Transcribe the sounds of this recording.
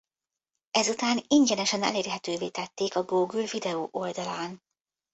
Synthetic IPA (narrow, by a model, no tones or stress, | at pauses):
ɛzut̪aːniɲɟɛnɛʃɛnɛ̰leːrɦɛt̪øːveːt̪ɛt̪ːeːkɒɡoːɡylvid̪ɛoːʔo̞ld̪ɒlaːn